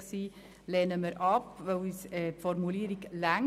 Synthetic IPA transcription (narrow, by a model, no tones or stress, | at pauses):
siː | lɛːnəməɾʔɑpvœwisɛpfɔɾmuliːɾiklæŋ